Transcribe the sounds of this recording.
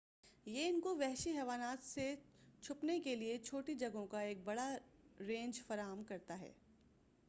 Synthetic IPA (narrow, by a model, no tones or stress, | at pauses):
jeɪnkoʋɛɦʃiɦɛːʋaːnaːt̪se | t͡ʃʰʊpnekeliet͡ʃʰoːʈid͡ʒɐɡõkaeːk̚bɐɽaɾẽːnd͡ʒfɐɾaːɦəmkɐɾt̪aɦɛ̰ː